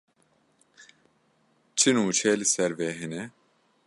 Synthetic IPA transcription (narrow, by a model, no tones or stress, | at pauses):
t͡ʃʰinuːt͡ʃʰɛːlɨsɛɾvɛɦɛnɛ